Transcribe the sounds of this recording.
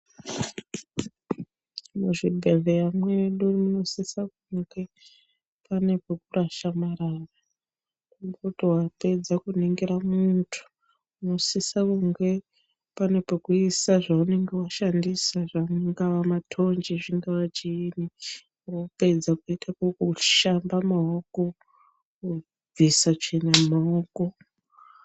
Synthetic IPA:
muʐibʱevejamweɗurimuno̞sisakuŋɡe̞ | pane̞pekuraʃamaɾara | umbutowape̞d͡zakuniŋɡiɾamuntʰu̥ | muno̞sisakuŋɡe̞ | pane̞pekuisaʐaune̞ŋɡe̞waʃandisaʐaŋɡaʋamatʰo̞nd͡ʒiʐiŋɡaʋat͡ʃiːni | rope̞d͡zakuitʰakokuʃambamaoko | b͡visat͡ʃinamaoko̞

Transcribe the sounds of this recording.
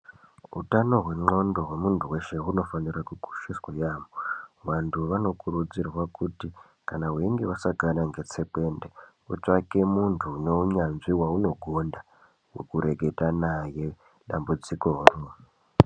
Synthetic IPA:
ṵtano̞ɦwe̞ŋ͡ǃo̞ndo̞ɦwe̞muntʰuwe̞ʃe̞ɦuno̞fanirakuɡʱu̥ʃiswajaːmoʋantʰuʋano̞kuɾud͡zirwakuti | kanaɦweiŋɡeʋasaɡʱanaŋɡe̞t͡se̞pe̞nde | ut͡ʂake̞muntʰune̞uɲanʐiwauno̞ɡʱonda | wḛkuɾe̞ɡʱe̞tanaje̞ | ɗambud͡zikoːro

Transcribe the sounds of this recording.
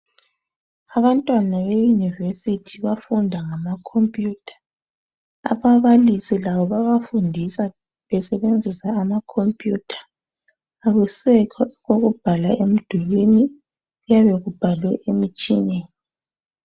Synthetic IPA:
aβantʼwanaβejunivesitʰiβafundʱaŋamakʰompʼjuːtʰḁ | a̰βaβalisilaβɔβaβafundʱisa | βɛsɛβend͡zʱisaːmakʰompʼjutʰḁː | ɣusɛkʰɔɣoɣub̥ʱalaʔem̩d̥ʱulwini | ɣujaβeɣub̥ʱalwɛʔemit͡ʃʼḭnɛni

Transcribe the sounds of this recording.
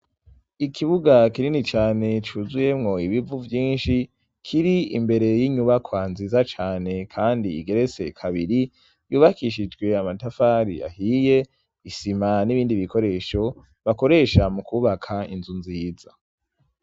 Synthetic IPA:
ikʰiβuɡakiɾinit͡ʃaːne̞t͡ʃuzuje̞mŋo̞iβivuvjiːnʃi | kʰiɾiḭmbe̞ɾe̞jiɲuβakwaːnzizat͡ʃaːne̞kʰaːndḭːɡe̞ɾe̞t͡se̞̰kʰaβiɾi | juːβakiʃid͡ʒɡwe̞amatafaːɾḭa̰hije̞ | isimaniβiːndiβiko̞ɾe̞ːʃo̞ | βako̞ɾe̞ʃamukʰuːβakʰaḭnzunziːz̥a

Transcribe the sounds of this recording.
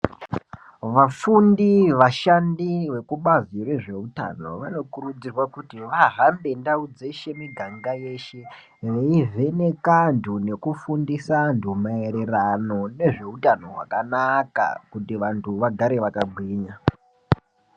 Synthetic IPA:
ʋafundiʋaʃandiʋe̞kuɓazirwe̞ʐe̞uta̰no̞̰ʋano̞kuɾud͡zirwakutiʋaɦambe̞ndaud͡zeʃe̞miɡʱaŋɡaje̞ʃe̞ | reivʱe̞ne̞kandʰʱune̞kufundisandʱumaeɾerano̞ne̞ʐe̞utano̞ɦwa̰kanaka̰kutiʋantʰuʋaɡʱaɾe̞ʋakaɡʱwiːɲa

